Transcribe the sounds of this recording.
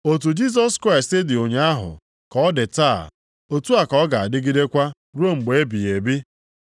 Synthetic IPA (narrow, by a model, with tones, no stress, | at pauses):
o˨t̬u˨d͡ʒi˦s̬ɔ˦skɾa˦˨ɪ˨ste˦dɪ˨o˨ɲe˦a˦ɦʊ̰˨ | kɔ˨ɔ˦dɪ˨ta˦˨ | o˨tu˦a˨kɔ˨ɔ˦ɡa˨a˨dɪ˦ɡi˦de˦kʷa˦ | ɾu˦o˦ŋ͡m̩˨ɡ͡be˨e˦bi˨e˨bi˦